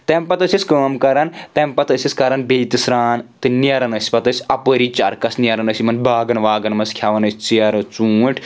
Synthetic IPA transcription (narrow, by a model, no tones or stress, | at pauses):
t̪empɐt̪ɐsʲiskəːmkɐɾɐnt̪empɐt̪ɐsʲiskɐɾɐnbejt̪isɾaːnt̪ɨniɐɾɐnɐsʲi̥pɐt̪ɐsʲɐpəɾit͡ʃaɾkɐsniɐɾɐnɐsimɐnbʱaːɡɐnʋaːɡɐnmɐskʲʰaʋɐnɐsʲt͡siɐɾɐt͡suːʈʰ